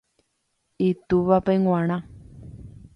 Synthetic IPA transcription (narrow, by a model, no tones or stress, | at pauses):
it̪uʋapeŋwãɾ̃ã